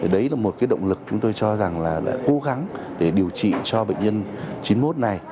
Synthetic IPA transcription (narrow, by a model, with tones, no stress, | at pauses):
ɗə˨˦jlaː˨˩mo˨˩kaː˨˦jɗə̰˧˨wŋ͡mlɨ˨˩k̚t͡ɕʊ˨˦ŋ͡mt̪o˧jt͡ɕɔ˧za˨˩ŋlaː˨˩ɗa̰ː˧˥ko˨˦ɣa˨˦ŋ | ɗe˧˩ɗi˨˩əwt͡ɕḭ˧˨t͡ɕɔ˧ɓḛ˧˨ŋ̟ɲə˧nt͡ɕi˨˦nmo˦˥t̚na˨˩j